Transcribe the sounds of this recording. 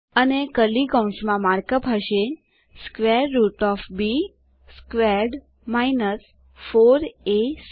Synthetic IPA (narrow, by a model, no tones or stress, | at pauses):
ənekəlikə̃w̃ʃmãmaɾkəpɦəʃe | skʋeɾːuʈɔfbi | skʋeɾɖ | mainəs | foɾes